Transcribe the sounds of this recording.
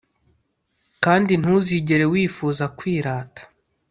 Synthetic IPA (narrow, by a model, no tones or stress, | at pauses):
kaːndin̥huziɟe̞ɾe̞wiːfuːzakwiːɾaːtḁ